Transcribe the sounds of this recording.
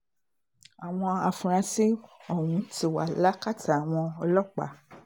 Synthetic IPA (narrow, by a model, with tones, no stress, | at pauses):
a˨w̃ɔ̃˧a˧fũ˨˧ɾ̃ã˧si˦ɔ˦˨wũ˨˧ti˧wa˨la˦ka˦˨tʰa˨a˨w̃ɔ̃˧ɔ˧lɔ˦k͡pa̰˨˦